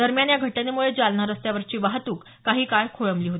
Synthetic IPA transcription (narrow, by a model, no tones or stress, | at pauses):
d̪əɾmjanjaɡʱəʈjanemuɭed͡zalɳaɾəst̪jaʋəɾt͡ɕiːʋaɦt̪uːk | kːaɦiːkaɭkʰoɭəmliːɦot̪i